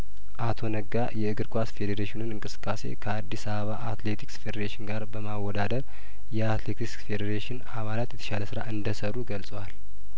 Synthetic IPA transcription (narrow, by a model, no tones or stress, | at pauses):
ʔat̪ʰo̞nəɡːajɛɨɡɨɾkʼʷasfe̞d̪eɾeʃɪnɨnɨŋkʼɨsɨ̥kʼːase̞̰kʰəad̪ːisaβəβaʔat̪let̪ʰiksfe̞d̪eɾeʃɪnɡaɾbəmawːɔd̪ad̪əɾ | jɛat̪le̞t̪ʰikfed̪eɾeʃɪnaβalat̪jɛt̪ʰə̥ʃaləsɨɾaʔɨnd̪əsəɾuɡəlsʼəwal